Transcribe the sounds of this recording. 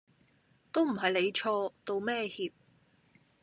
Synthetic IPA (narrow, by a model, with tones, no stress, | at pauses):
t̪o˥wm̩˨˩ɦɐ˨jle˨˧jt͡ʃʰɔː˧t̪o˧wmɛː˥hiː˧p̚